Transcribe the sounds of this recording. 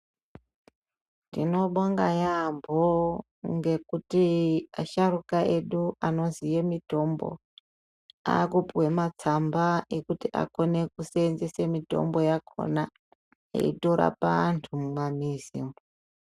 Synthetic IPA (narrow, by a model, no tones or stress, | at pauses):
tino̞ɓaŋɡajambʱo | ŋɡe̞kutiaʃaɾukae̞ɗuano̞zijemito̞mbo̞̰ | a̰kupuwe̞mat͡sambaekutiʔa̰ko̞ne̞kuseːnzesemito̞̰mbo̞jakʰo̞̰na | ḛito̞ɾa̰pantʰummamizḭːmo